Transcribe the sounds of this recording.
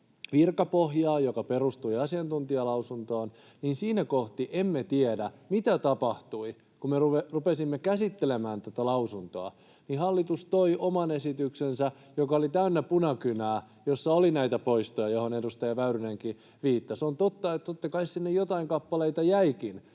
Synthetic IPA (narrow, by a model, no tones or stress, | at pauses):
ʋirkɑpohjɑːjokɑperust̪uiɑsiɑnt̪unt̪iɑlɑusunt̪oːn | niːnsiːnækoht̪iʔemːet̪iedæmit̪æt̪ɑpɑht̪ui | kumeruerupesimːekæsit̪ːelemæːnt̪ot̪ɑlɑusunt̪oɑ | nihɑlːit̪ust̪oiʔomɑnesit̪yksensæ | jokɑolit̪æynːæpunɑkynæː | josːɑolinæit̪æpoist̪ojɑjohonedust̪ɑjɑʋæyɾyneŋki | ʋiːt̪ːɑsont̪ot̪ːɑet̪t̪ot̪ːɑkɑissinːejot̪ɑiŋkɑpːɑleit̪ɑjæikin